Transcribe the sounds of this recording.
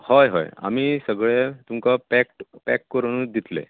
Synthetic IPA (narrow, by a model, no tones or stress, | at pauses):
hɔjɦɔ̰ja̰miːsəɡɭet̪umkapækʈpækːəɾɳ̃ud̪it̪lḛ